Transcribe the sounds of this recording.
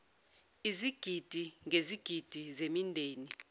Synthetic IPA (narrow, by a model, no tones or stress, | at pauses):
iziɡ̥ʱid̥ʱiŋʱeziɡ̥ʱid̥ʱizemindʱeːni